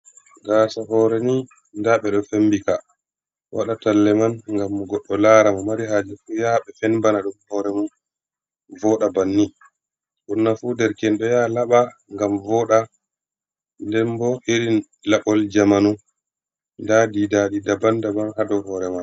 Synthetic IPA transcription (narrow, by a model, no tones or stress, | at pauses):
ɡaːsaɦɔːɾɛni | ndaɓɛɗɔfembika | wa̰ɗatalːɛmanŋɡamːɡɔɗːɔlaːɾamamaɾiɦad͡ʒɛfujaɓɛfɛnbanaɗumhɔɾɛmun | vɔːɗabanːi | ʔunːafudɛɾkɛnɗɔjalaɓaŋɡamvɔɗa | ndɛmbɔʔiɾin | laɓɔld͡ʒamanu | ndadidaːɗidabandamanɦadɔɦɔːɾɛma